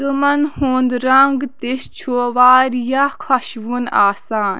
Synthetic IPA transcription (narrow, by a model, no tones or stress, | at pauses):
umɐnhuːnd̪ɾɐŋɡt̪ist͡ʃʰoːʋaːɾjakʰɐʃʋuna̰ːsaːn